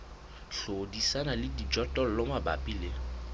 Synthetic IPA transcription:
ɬodisanalɪdid͡ʒɔtʼɔl̩lɔmaba̰pʼilɪ

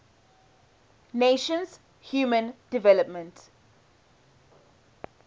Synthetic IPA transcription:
neːʃə̃nz | hjuːmə̃ndɪvɛləp̚mə̃nt

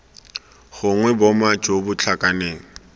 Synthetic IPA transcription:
ɣʊŋwɛbɔmad͡ʒobʊt͡ɬʰakʼaneːŋ̩

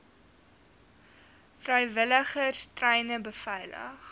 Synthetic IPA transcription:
frəjvələχərstrɛjnəbəfɛjlə̰χ

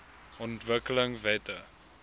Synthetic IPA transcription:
ɔ̃ntvəkələŋvetə

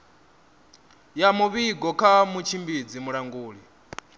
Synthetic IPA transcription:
jamuβiɡɔkʰamut͡ʃʰimbid͡zimuɺaŋɡuːɺi

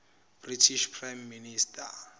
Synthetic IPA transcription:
b̥ritʰiʃpʰrajmːinistʰʼa

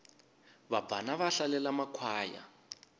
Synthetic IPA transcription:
βabanaβaɬalɛlamakʰwaːja̰

